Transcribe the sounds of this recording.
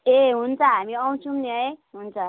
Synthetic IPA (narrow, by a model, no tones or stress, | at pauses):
eɦunt͡sʰʌɦamiʌw̃t͡sʰumniɦʌjɦunt͡sʰʌ